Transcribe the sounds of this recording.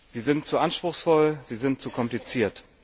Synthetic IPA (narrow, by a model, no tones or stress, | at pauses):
z̥iːzɪntt͡suʔanʃpʁ̥ʊxsfɔlz̥iːzɪnt̚t͡sukʰɔmplit͡siːɐt